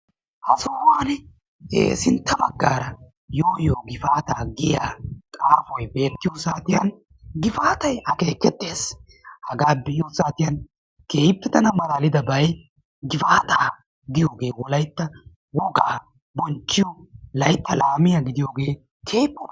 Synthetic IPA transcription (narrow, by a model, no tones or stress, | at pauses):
hɐsoːwaːn̰ː | sɪnt̪ːɐmɐ̰ɡːaːɾɐ | jo̞ːjoːɡɪfaːt̪aːɡɪja̰ːkʼaːfɔjbe̞ːt̪ːɪjosaːt̪ɪjɐn | ɡɪfaːt̪ɐjɐke̞ːkːɛt̪ːeːs | hɐɡaːbɪɪjosaːt̪ɪjɐn | keːjpːɛt̪ɐnɐmɐɾaːlɪd̪ɐbɐj | ɡɪfaːt̪aː | ɡɪjoːɡe̞ːwɔlɐjt̪ːɐ | wɔɡaː | bɔnt͡ʃːɪjɔlɐjt̪ːɐlaːmɪjaɡɪd̪ɪjo̞ːɡe̞ː | kʰeːjpːɔ